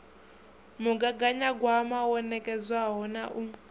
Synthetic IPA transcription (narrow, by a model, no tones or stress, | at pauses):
muɡaɡaɲaɡwamawɔnɛkʼɛd͡zʷwaɦɔnaʔum̩